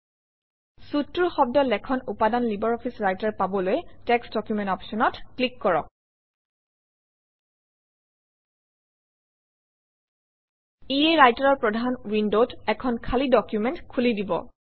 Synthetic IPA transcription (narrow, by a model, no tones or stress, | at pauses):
sutːuɹxɔb̚dɔlɛkʰɔnupadanlibɔɹɔpʰisɹajtaɹpabɔlojɛtɛksdɔkjumɛ̃ntɔpsɔnɔtklikːɔɹɔ̰k̚ | ieɹajtaɹɔɹpɹɔdʱanɹindotɛkʰɔnkʰalidɔkjumɛntkʰulidibɔ̰